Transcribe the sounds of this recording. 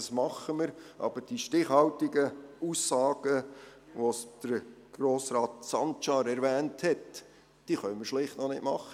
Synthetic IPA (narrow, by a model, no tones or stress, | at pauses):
ɑsmɑχːəmɪɾʔɑ̰bəɾd̥iʃtɪχhɑwtɪɡəusːɑːɡ̥ə | ʋosd̪̥əɾ | ɡ̥ɾoːsɾɑːtsɑnt͡ʃɑɾɛɾʋæːnthɛt | d̥iχœnməɾʃlɪχtnɔnɪtmɑχːə